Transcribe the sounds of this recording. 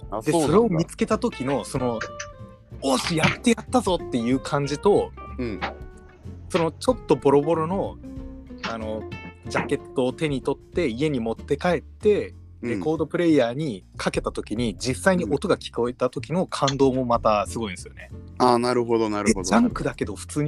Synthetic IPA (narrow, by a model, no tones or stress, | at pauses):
d̪eso̞ɾe̞o̞mʲit͡sɨ̥ke̞t̪at̪o̞kʲino̞so̞no̞ | oːɕijat̪ːe̞jat̪ːazo̞t̪ːe̞jɯ̟ːkʰãɲ̟d͡ʑit̪o̞ | so̞no̞t͡ɕo̞t̪ːo̞bo̞ɾo̞bo̞ɾo̞no̞ | ano̞d͡ʑake̞t̪ːo̞ːt̪e̞ɲ̟it̪o̞t̪ːe̞ie̞ɲ̟imot̪ːe̞kae̞t̪ːe̞ | ɾe̞ko̞ːd̪o̞pɯ̟ɾe̞ijaːɲ̟ikʰake̞t̪at̪o̞kʲiɲ̟id͡ʑisːaiɲ̟iʔo̞t̪o̞ɡakʲi̥ko̞e̞t̪at̪o̞k̬ʲino̞kʰãnd̪o̞ːmo̞mat̪asɨɡo̞ĩnsɨjo̰ne̞aːnaɾɯ̟ɦod̪onaɾɯod̪ãŋkɯ̟d̪ake̞d̪o̞ɸɯ̟̥t͡sɨːɲ̟i